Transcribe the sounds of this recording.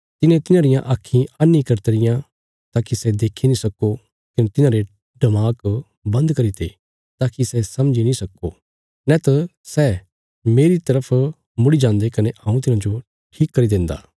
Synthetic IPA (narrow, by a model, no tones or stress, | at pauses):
t̪ɪnẽt̪ɪnãːɾɪjãʔaːkʰːĩɐnĩkɐɾt̪eɾɪjã | t̪aːkisɛd̪eːkʰːinĩsɐko | kɐnet̪ɪnãːɾe | ɖɐmaːk | bɐ̃nd̪kɐɾit̪ʰḛ | t̪aːkisɛsɐmd͡ʒinĩsɐkːo̰ | nɛt̪ɐ | sɛ | meːɾit̪ɐɾəpʰ | mʊɽid͡ʒãːnd̪ekɐneʔɐːũt̪̬ɪnãd͡ʒo | ʈʰiːkːɐɾid̪ẽːnd̪a̰ː